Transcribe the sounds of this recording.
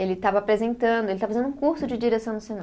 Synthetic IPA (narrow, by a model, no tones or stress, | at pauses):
elɪt̪avɐːpɾezẽnt̪ɐ̃d̪ʊelɪt̪avɐfaẽd̪ũkuɾsʊd͡ʒɪd͡ʒiɾesɐ̃w̃nʊsena